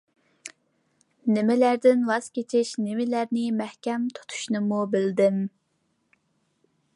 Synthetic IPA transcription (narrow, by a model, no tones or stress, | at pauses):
nɪmɪlæɾd̪ɪnwɑz̥kʲet͡ʃʰɪʃnɪmɪlæɾnɪmæhkʲɛmt̪ʰu̥t̪ʰu̥ʃnɨmubɪld̪ɪm